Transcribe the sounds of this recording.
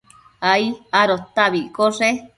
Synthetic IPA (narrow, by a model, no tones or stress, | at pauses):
aiaɾot̪aβikoʐe